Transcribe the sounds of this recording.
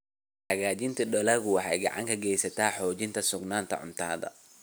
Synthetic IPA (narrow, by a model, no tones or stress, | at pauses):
hɐɣaːt͡ʃɪnt̪ʰɐɗɔlɐɣʊwɑħɑ̰jɡɑ̰ʕɑ̰ŋkʰɐɡɛjsɐt̪ʰaːħɔːt͡ʃɪnt̪ʰɐsʊɡnaːnt̪ʰɐ̰ʕʊ̰nt̪ʰaːðɐ̰